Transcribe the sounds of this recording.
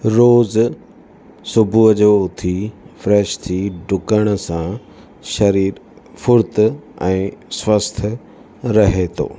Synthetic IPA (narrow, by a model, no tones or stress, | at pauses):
ɾoːz | sʊbʱuəd͡ʑoʊt̪ʰifɾɛːʃt̪ʰiɖʱʊkəɽ̃̆sã | ʃɐɾiːɾfʊɾt̪ɛ̃ːswəst̪ʰə | ɾɐɦet̪ʰo̰ː